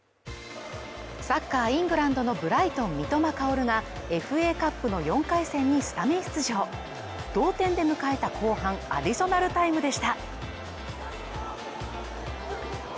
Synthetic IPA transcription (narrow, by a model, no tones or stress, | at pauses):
sakːaːĩŋɡɯ̟ɾãnd̪o̞no̞bɯ̟ɾait̪õ̞mmʲit̪o̞makaoɾɯ̟ŋae̞ɸɯ̟e̞ːkapːɯ̟no̞jõ̞ŋkaisẽ̞ɲ̟ːisɨ̥t̪ameɕɨ̥t͡sɨʑo̞ː | d̪̥o̞ːt̪ẽ̞nd̪e̞mɯ̟kae̞t̪akʰo̞ːhãŋa̰d̪ʲiso̞naɾɯ̟t̪aimɯ̟d̪e̞ɕi̥t̪a